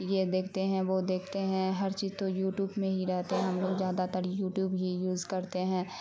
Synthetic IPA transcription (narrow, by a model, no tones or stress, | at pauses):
jed̪eːkʰt̪eɦɛ̃ʋod̪eːkʰt̪eɦɛ̃ɦɐɾt͡ʃiːzt̪ojuːʈjuːbmẽɦiɾɛɦt̪eɦɛ̃ɦɐmlozjaːd̪at̪əɾjuːʈjuːbɦijuːzkɐɾt̪eɦɛ̃ː